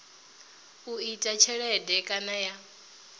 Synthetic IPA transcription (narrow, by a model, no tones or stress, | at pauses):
uitʼat͡ʃʰɛɺɛdɛkʼanaja